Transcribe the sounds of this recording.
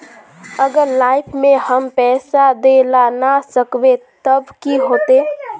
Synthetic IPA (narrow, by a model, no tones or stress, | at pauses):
əɡəɾlaːɪpʰmẽɦəmpɛːsad̪elanasəkbet̪əbkiɦoːt̪eː